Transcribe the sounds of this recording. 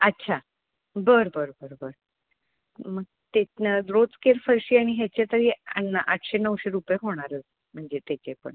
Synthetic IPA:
ətːɕʰa | bəɾbəɾbəɾobəɾ | məɡ̚ | t̪edɾot͡skeɾfəɾɕiːaɽ̃iɦet͡ɕet̪əɾiːanːaʔaʈʰɕenəwɕeɾupjeɦoɽ̃aɾət͡s | m̤əɳd͡zet̪et͡ɕepə̰ɳ

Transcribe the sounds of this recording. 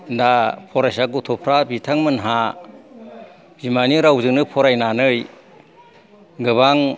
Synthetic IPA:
ndapʰɔɾajsaɡutʰɔpʰɾabitʰaŋmɯnɦa | zimaniɾawzɯŋnɯpʰɔɾajnanɯj | ɡɯβaŋ

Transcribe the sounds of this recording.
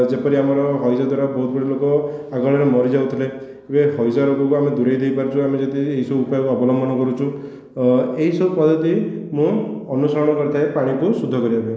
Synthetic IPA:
d͡ʒepɔɾiamɔɾɔɦɔjsad̪ʱwaɾabɔɦut̪bɔɽilokɔaɡɔɭɔɾemɔɾid͡ʒawt̪ʰile | ebehɔjsaɾokɔkuamed̪uɾejd̪ejpaɾut͡ʃʰuamed͡ʒet̪ieɦisɔbuupajɔkuɔbɔlɔmbʱɔnɔkɔɾut͡ʃʰu | eɦisɔbupɔd̪ʱɔt̪imũɔnusɔɾɔɽ̃ɔkɔɾit̪ʰaepaɽ̃ikusud̪ʱːɔkɔɾiabe

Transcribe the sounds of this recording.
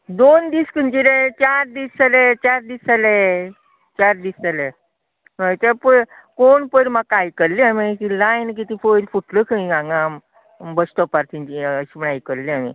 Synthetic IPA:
d̪ond̪iːskənd͡ʑiɾet͡ɕaɾd̪iːsalet͡ɕaɾd̪isale | t͡ɕaɾd̪iːstale | məjt̪əpə | koɳpəɾmaɡkajkəɾliamikilajnk̬it̪ifojɾfuʈləkʰəĩɡãŋɡa | bəsʈ̪əpaɾt̪iɲt͡ɕiəɕiməɽajkəɾliamḭ

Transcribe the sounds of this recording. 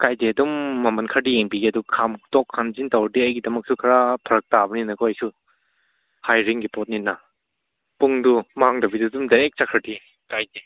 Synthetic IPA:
kajdiɐdumːɐmɐnkʰɐɾdieŋbiɡiɐdukʰamtɔkʰːanzintawɾdiɐjɡidɐmɐk̚sukʰaɾapʰɐɾɐk̚tabɐninɐkʰɔajsu | hajɾiŋɡipɔt̚ninːa | puŋdumaŋdɐbidudumdaɾek̚t͡ʃakʰɐɾdi | kajdi

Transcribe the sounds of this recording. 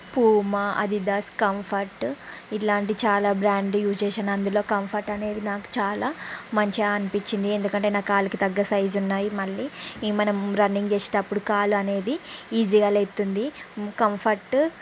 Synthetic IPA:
puːmɐʔɐ̰d̪id̪ɐskɐmpʰɐɾʈilaːɳʈ̬it͡ʃaːlaːbɾaːɳɖjuːst͡ʃeːʃaːnɐnd̪ulo̞ːkɐmpʰɐɾʈɐne̞ːd̪inaːku̥t͡ʃaːlaːmɐɲt͡ʃiaɐnipiɲt͡ʃːind̪ie̞nd̪ukɐɳʈe̞ːnaːkaːlukit̪ɐɡːɐsɐjzunːaːjimɐɭːiːmɐnɐmɾɐnːiŋɡt͡ʃeːsi̥ɐpːuɽukaːluɐne̞ːd̪iiːd͡ʒiɡaːlet̪ːund̪ikɐmpʰɐɾʈ

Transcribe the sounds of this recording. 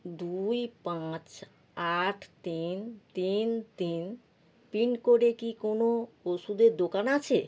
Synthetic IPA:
d̪ujpãt͡ɕ | aʈʰt̪int̪int̪in | pinkoɾekikonooʃud̪eɾd̪okanat͡ɕʰe

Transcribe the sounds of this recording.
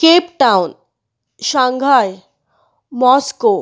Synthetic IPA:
kepʈawn | ɕãŋɡʱaj | mɔsko

